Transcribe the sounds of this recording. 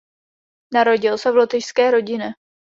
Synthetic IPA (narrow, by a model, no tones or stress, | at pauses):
naɾo̞ɟɪlsɛvlot̪ɪʃskɛːɾo̞ɟɪnɛ